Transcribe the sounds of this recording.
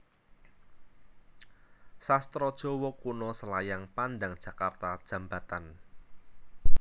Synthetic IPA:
sast̪ɾɔd̥ʒ̥ɔ̤wɔkunɔsəlajaŋpandaŋd̥ʒ̥a̤kart̪ad̥ʒ̥ä̤mbat̪an

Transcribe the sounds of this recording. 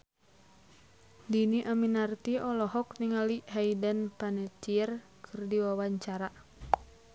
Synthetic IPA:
diniʔaminart̪iʔɔlɔɦɔk̚niŋaliɦaidanpanɛt̪ir | kʰɨrdiwawaɲt͡ʃaɾa

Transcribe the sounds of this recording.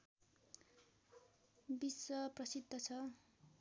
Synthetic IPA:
biswʌprʌsid̪ʱːʌt͡sʰʌ

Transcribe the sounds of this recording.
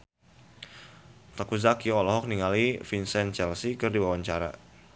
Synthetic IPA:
t̪akuzakiɔlɔɦɔk̚niŋalifinsɛnt͡ʃɛlsikɨrdiwawaɲt͡ʃaɾa̰

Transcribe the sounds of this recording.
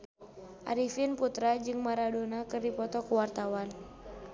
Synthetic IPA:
ʔa̰ɾifinput̪ɾad͡ʒɨŋmaɾadonakɨrdipɔt̪ɔkuwart̪awan

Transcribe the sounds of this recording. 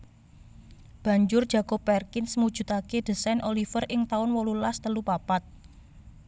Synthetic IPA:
b̥ä̤ɲd͡ʒʊr̥ʒ̥ä̤ɡopɛrkɪnsmud̥ʒ̥ṳt̪aked̪̥ə̤sɛnʔolifərɪŋt̪aʊnwɔlulast̪əlupapat̪̚

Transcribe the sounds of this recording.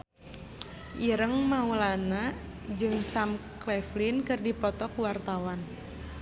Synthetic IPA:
ʔiɾəŋmaulana | d͡ʒɨŋsamklɛflinkɨrdipɔt̪ɔkuwart̪awan

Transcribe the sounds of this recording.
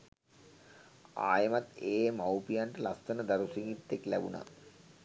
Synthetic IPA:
a̰ːjəmat̪eːmawpijaɳʈəlast̪ənəd̪aɾusiŋɡit̪ːeklæbuna̰

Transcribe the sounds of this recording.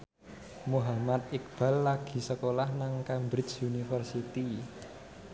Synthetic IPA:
muɦamat̪̚ik̚b̥a̤lːaɡ̥i̤səkolahnaŋkambɾɪsunifərsit̪i

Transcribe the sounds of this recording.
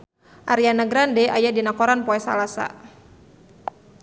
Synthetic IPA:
ʔaɾianaɡɾandɛajadinakɔɾanpɔɛsa̰lasa̰

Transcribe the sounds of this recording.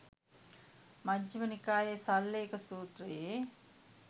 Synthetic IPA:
mɐd͡ʒɐmɐnikaːjɐsɐlːeːkɐsuːt̪ɾɐje

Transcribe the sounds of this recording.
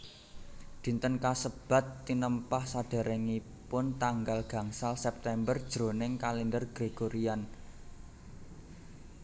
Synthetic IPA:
d̪̥i̤nt̪ənkasəb̥a̤t̪ːinəmpahsaɖ̥a̤ɾɛŋi | pʊnt̪aŋɡalɡ̥ä̤ŋsalsɛp̚t̪ɛmbərd̥ʒ̥ɾo̤nɪŋkalind̪ərɡ̥ɾeɡ̥oɾian

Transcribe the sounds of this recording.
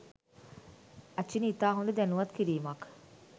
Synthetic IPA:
ainit̪aːɦund̪əd̪ænuʋat̪kiɾiːmak

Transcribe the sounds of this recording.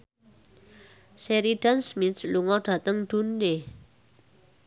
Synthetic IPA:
sɛɾiɖ̥ansmit̪luŋɔɖ̥a̤t̪əŋd̥unːe

